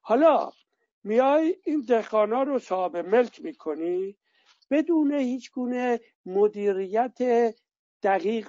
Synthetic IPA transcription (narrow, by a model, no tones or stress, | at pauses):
hɒlɒː | mijɑːjiːnd̪ehɡɒːnɒːɾosɒːbemelkʰmiːkʰoniː | b̥e̞d̪uːnehiːt͡ʃʰɡuːne | mod̪iːɾijæt̪ʰe | d̪̥æɣiːɣ